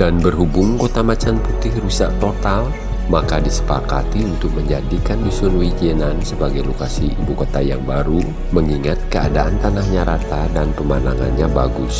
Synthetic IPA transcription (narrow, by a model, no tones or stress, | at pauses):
d̥anbərɦubʊŋkot̪amat͡ʃanput̪ɪhrusaʔt̪ot̪al | makadisə̥paka̰t̪iunt̪ʊk̚məɲd͡ʒadikandusunwid͡ʒiənansəbaɡajlokasiḭbukot̪ajaŋbaɾu | məŋiŋat̪̚kəa̰daʔant̪anahɲaɾat̪adanpəmanaŋa̰nɲaba̰ɡʊs